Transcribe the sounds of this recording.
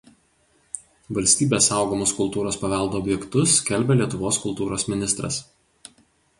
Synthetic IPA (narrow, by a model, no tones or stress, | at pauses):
ʋɐlʲsʲt̪ʲiːbʲeːsɑˑʊɡoːmoːskʊlˠt̪uːɾoːspɐʋʲɛlˠd̪oːbʲjɛkt̪ʊskʲɛlʲbʲɛlʲiɛt̪ʊʋoːskʊlˠt̪uːɾoːsmʲɪnʲɪst̪ɾɐ̰s